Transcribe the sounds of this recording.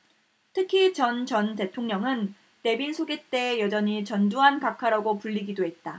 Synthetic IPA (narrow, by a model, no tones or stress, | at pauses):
tʰɯkʰit͡ɕʌnt͡ɕʌnte̞tʰoŋɲʌŋɯn | te̞binsʰoɡet͈e̞ːjʌd͡ʑʌɲit͡ɕʌnduɦankakʰaɾaɡopuʎːiɡidoɦe̞t̚t͈a